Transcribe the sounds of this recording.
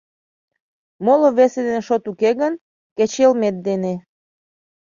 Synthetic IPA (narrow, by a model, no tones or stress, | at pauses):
moloβesed̪eneʃot̪ukeɣən | ket͡ɕelmet̪̚d̪ene